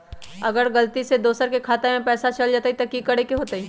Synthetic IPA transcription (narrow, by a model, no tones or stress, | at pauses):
ɐɡəɾɡɐlt̪ised̪oːsəɾkekʰaːt̪emẽpɛːsat͡ʃɐld͡ʒaːt̪aɦit̪ɐkikɐɽekeɦoːt̪aɦiː